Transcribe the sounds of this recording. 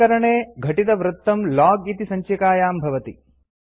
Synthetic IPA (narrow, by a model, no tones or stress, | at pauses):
ɐɾɐɳeːɡʱɐʈid̪ɐʋɾut̪ːɐmlaːɡit̪isɐɲt͡ʃɐkaːjaːmbʱɐʋɐt̪i